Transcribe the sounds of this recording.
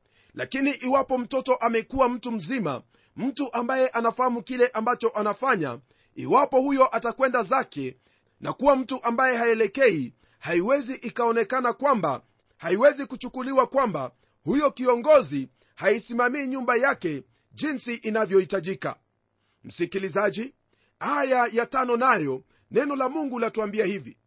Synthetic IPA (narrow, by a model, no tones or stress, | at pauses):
lakiniʔiwapɔm̩tɔtɔʔamɛkuwam̩tum̩zima̰ | m̩tuʔambajɛʔanafahamukilɛʔambat͡ʃɔʔanafaɲa̰ | ḭwapɔhujɔʔatakwɛndazakɛ | nakuwam̩tuʔambajɛɦaɛlɛkɛi | haiwɛziʔikaɔnɛkanakwamba̰ | haiwɛzikut͡ʃukuliwakwamba | hujɔkiɔŋɡɔzi | haisimamiːɲumbajakɛ | ʄinsiʔinavjɔhitaʄika̰ | m̩sikilizaʄi | ajajatanɔnajɔ | nɛnɔlamuŋɡulatuambiahivi